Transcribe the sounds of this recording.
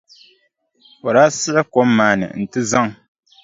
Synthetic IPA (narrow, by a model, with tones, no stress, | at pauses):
o˨ɾaː˦sɪ˦ʔɪ˦ko˦mːaː˨nɨ̰˨n̩˨tɨ˦za˦ŋ